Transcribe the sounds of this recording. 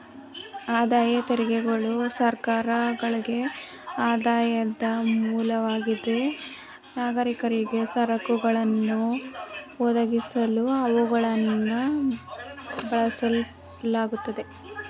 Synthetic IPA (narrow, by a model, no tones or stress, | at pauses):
aːd̪aːjɐt̪eɾiɡeɡɐɭusɐɾkaːɾɐɡɐɭiɡe̞ | aːd̪aːjɐd̪ɐmuːlɐʋaːɡid̪e̞ | naːɡɐɾikɐɾiɡe̞sɐɾɐkuɡɐɭɐnːu | ɔd̪ɐɡisɐluɐʋuɡɐɭɐnːɐ | bɐɭɐsɐ | laːɡut̪ːɐd̪e̞